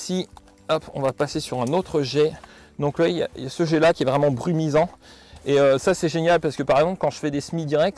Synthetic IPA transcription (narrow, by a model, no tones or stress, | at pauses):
si | ɔpɔ̰̃vapasesyʁɛ̃not̪χəʒɛ | d̪ɔ̃klwaija̰jasəʒɛlakʲiɛvʁɛmɑ̃bʁymizɑ̃ | eøsasɛʒenjalpasə̥kəpaʁɛɡzɑ̃plə̥kɑ̃ʒəfɛd̪esmid̪iʁɛk̚t̪